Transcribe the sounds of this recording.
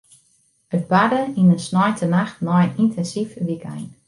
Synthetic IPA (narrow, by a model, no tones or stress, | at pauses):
ət̚badəinənsnɔjtʰənaxtnɔjnintʰɛnsifʋika̰jn